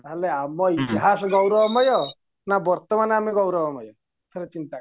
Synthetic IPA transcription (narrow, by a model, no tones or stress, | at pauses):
aleamɔit̪iɦasɔɡɔwɾɔɔmɔjɔ | nabɔɾt̪ɔmanameɡɔwɾɔʋɔmɔjɔ | t̪ʰeɾet͡ʃint̪a